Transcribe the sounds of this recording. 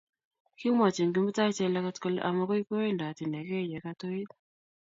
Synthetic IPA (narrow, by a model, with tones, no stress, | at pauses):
ki˦ma˨t͡ʃe˨ŋɡi˦m˦ta˦i˦t͡ʃɛ˦˧la˦ka˦tko˦lʔa̰˨ma˦ko˦i˦ko˦e˦˨nda˨ti˨nɛ˨kɛ˦˨jɛ˨ka˧to˦i˦t